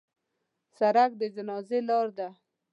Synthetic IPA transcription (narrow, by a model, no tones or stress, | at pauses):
saɾak̚d̪əd͡ʒanɑzelɑɾd̪a